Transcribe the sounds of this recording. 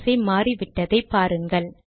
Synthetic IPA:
sɐɪmaːriʋɪʈːɐðɐɪpːaːɾɯŋɡɐɭ

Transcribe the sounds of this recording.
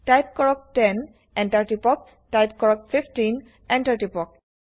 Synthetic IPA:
tajp̚kɔɹɔk̚tɛn | ɛ̃ntaɹʈipɔk̚ | tajp̚kɔɹɔk̚fʰifʈin | ɛ̃ntʰaɹʈipɔk̚

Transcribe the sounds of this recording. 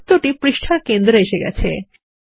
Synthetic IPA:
t̪oʈipɾiʃʈʰaɾkend̪ɾeeʃeɡɛ̰t͡ɕʰḛ

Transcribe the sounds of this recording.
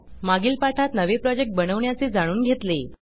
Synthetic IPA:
maɡiːlpaʈʰat̪nəʋepɾɔd͡ʑek̚ʈ̚bənəʋɳjat͡seːd͡zaɽ̃uːnɡʱet̪le

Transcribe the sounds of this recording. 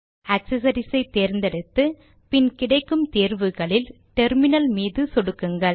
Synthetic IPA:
ɐksɐs̬ɐɾɪsɐɪt̪ːeːɾnd̪ɛɽɯt̪ːɯ | pɪnkɪɽɐɪkːɯmt̪eːɾʋɯɣɐɭɪl | ʈɛɾmɪnɐlmiːðɯsɔɽɯkːɯŋɡɐɭ

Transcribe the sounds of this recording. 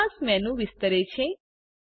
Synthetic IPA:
ãsmɛ̃nũʋɪst̪əɾet͡ʃʰe

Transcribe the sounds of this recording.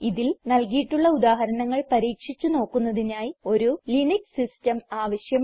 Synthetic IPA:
iðilnɐlkijiʈːuɭːɐuðaːɦɐɾɐɳɐŋːɐɭpɐɾiːkʂit͡ɕːuno̞ːkːunːɐðinaːjio̞ɾuliniksistɐmaːʋɐɕjɐm

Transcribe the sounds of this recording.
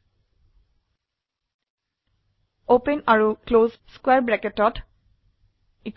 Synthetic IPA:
opẽnaɹukloːzskweɹbɹɛketɔt | ik

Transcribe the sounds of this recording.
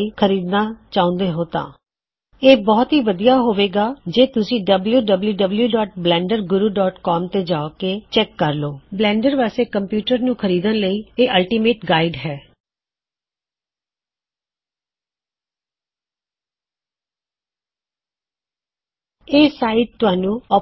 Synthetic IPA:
iːkʰəɾiːd̪naːt͡ʃaːʊ̃nd̪eːɦoːt̪ã̰ː | eːbɔːt̪ɦiːʋəd̪ijaːɦoːʋeːɡaːd͡ʒeːt̪ʊsĩːɖəbljuːɖəbljuːɖəbljuːɖɔːʈ̚blɛ̃ːɳɖəɾɡʊɾuːɖɔːʈkɔːmt̪eːd͡ʒaːokeːt͡ʃɛːkːəɾloːblɛ̃ːɳɖəɾʋaːseːkəmpjuːʈəɾnũːkʰəɾiːd̪ənləiːeːʔəlʈiːmeːʈɡaːiɖɦɛː | eːsaːiʈ̚t̪ʊɦaːnũːɔː

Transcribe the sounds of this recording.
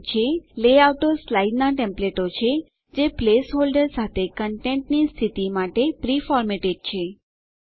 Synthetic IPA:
t͡ʃʰeleawʈoslaiɖnaʈẽmpleʈot͡ʃʰe | d͡ʒeplesɦolɖəɾsat̪ʰekəɳʈẽɳʈnist̪ʰit̪imaʈepɾifɔɾmeʈeɖ̚t͡ʃʰe

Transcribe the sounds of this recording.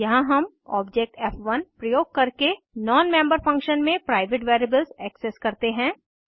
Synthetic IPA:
jɐɦãɦɐm | ɔ̰ːbd͡ʒek̚ʈɛːfʋɐnpɾɐjoːɡ̚kɐɾke | nɔːnmɛ̃ːmbəɾfɐ̃ŋkʃənmẽpɾaːɪʋeʈʋeːɾebəlzɛːkseskɐɾt̪eɦɛ̃ː

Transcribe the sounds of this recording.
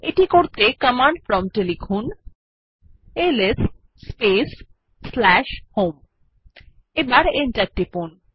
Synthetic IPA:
eʈikoɾt̪ekəmãɳɖfɾɔmʈelifʰon | eles | spes | slɛʃhom | ebaɾenʈaɾʈːipon

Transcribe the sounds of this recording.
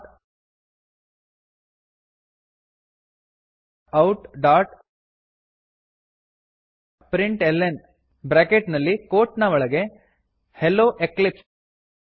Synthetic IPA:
ɐwʈɖaːɾʈ | pɾiɳʈelːen | bɾaːkeʈnɐlːikoːʈnɐʋɐɭɐɡe̞ | helːoːʔeklips

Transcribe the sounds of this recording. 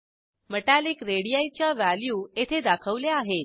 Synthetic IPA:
məʈalekɾeɽijajt͡ɕjaʋaljuːet̪ʰed̪akʰəʋleaɦe

